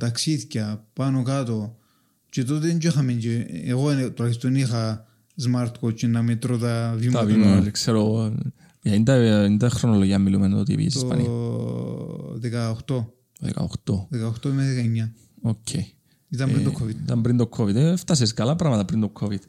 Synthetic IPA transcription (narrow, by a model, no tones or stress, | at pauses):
t̪aksiθcɐpanokat̪o | t͡ʃet̪̬ot̪̬ind͡ʒexameɲt͡ʃeeɣont̪oɾaist̪onixɐ | zmaɾt̪kot͡ʃinːɐmet̪ɾot̪avimavimkseɾo | jɐind̪ɐind̪ɐxɾonoloʝiɐmːilumenot̪ḭpḭḛsispɐ̰nḭ | ðekaoxt̪o | ðḛka̰oxt̪oðekaoxt̪omeðekaɲːa | ocʰːej | it̪ɐmɾid̪okʰːovid̪t̪ɐmbɾind̪okʰːovid̪ft̪ɐs̬iskɐlɐpɾɐɣmɐt̪ɐpɾind̪okʰːovid̪